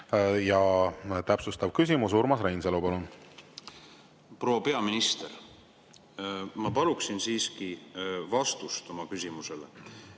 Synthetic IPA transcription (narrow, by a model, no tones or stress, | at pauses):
jɑt̪æpsust̪ɑvkys̬ʲimus̬uɾmɑsrejnselupɑlun | pro̞wɑpe̞ɑminist̪eɾ | mɑpɑluksinsiːskivɑst̪ust̪o̞mɑkysʲimusele